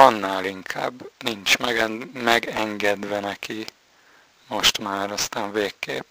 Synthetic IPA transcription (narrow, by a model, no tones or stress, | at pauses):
ɒnːaːliŋkʰa̰ːbːnint͡ʃmɛmɛɡɛŋɡɛd̪ʋɛnɛki | mo̞ʃt̪maːɾɒst̪aːɱveːkːḛːp